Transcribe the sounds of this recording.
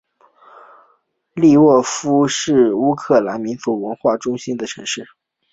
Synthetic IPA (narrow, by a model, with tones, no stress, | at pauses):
li˥˧wɔ˥˩fu˥ʂɻ̩˥˩u˥kʰɤ˥˩la˧˥nmi˧˥nfu˧˥wə˧˥nxwa˥˩ʈ͡ʂʊ˥ŋɕi˥nd̪ə˨ʈ͡ʂʰɤ̰˧˥ŋʂɻ̩˥˩